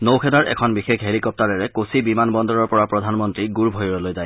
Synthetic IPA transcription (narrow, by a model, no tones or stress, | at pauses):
nowkʰɛdaɹɛ̰kʰɔnbixexɦeɹikɔp̚taɹɛɹɛkosibimanbɔndɔɹɔɹpɔɹapɹɔd̪ʱanmɔntɹiɡuɹbʱɔjɹɔlojzaj